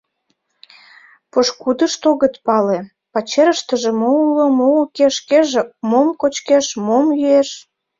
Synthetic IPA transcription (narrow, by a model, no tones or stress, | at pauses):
poʃkud̪əʃt̪oɣət̪pɑle | pɑt͡ɕeɾəʃt̪əʒĕmoulomokeʃkeʒemomkot͡ɕkeʃmomjyeʃ